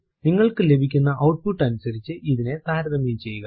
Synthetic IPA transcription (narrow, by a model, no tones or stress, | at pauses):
niŋːɐɭkɨle̞bʱikʲːunːɐʔɐwʈ̚puʈːɐnusɐɾit͡ɕːɨʔiðine̞d̪aːɾɐðɐmiːt͡ɕe̞jːuɣɐ